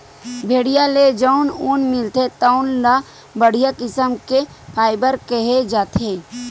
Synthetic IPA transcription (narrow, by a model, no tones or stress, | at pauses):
bʱeːɽijaled͡ʒaʊnonmɪlt̪et̪aʊnla | bəɽ̤ijakɪsəmke | pʰaːɪbəɾkəɦed͡ʒaːt̪ʰe